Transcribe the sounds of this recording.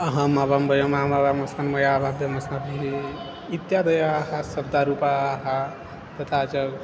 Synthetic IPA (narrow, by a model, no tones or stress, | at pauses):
ɐɦãmabambəjɐmamabamɐsanmɐjabʱabɐmɐsnabʱiɦi | it̪jad̪ɐjaːɦasɐb̚d̪aɾupaːɦa | t̪ɐt̪ʰat͡ʃɐɡ